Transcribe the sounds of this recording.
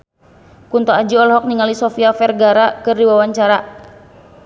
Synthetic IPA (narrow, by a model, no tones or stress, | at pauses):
kunt̪ɔad͡ʒiɔlɦɔk̚niŋalisɔfiafɛrɡaɾakɨrdiwawaɲt͡ʃaɾa